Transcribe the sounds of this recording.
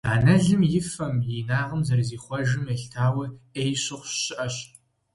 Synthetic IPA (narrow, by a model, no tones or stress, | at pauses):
a̰ːnɐɮɨmjɪfɐmjeːnaːʁəmzɐrziːχʷɔʒɨmeɬtʰaːwɐeːjɕɪχʷɕɪʔɐɕ